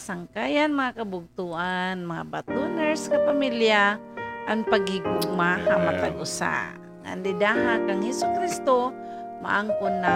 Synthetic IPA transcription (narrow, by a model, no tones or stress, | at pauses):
saŋkajanmaŋakabʊɡ̚t̪ʊʔanmaŋa̰bat̪unɛɹskapamilja | ʔaŋpaɡiɡʊɡmaɦamat̪aɡʔʊsa̰ | ŋa̰nd̪ɪd̪aɦakaŋhɛsʊkɾist̪oma̰ʔaŋkʊnːa